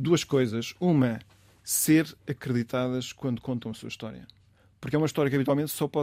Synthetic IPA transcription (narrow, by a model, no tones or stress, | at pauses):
d̪uɐʃkojzɐʃumɐ | seɾɐkɾɨðit̪aðɐʃkwɐ̃nd̪ukõnt̪ɐ̃w̃ɐsuɐiʃt̪ɔɾjɐ̰ | puɾkɛumɐiʃt̪ɔɾjɐkɐβit̪walˠmẽnt̪sɔpɔ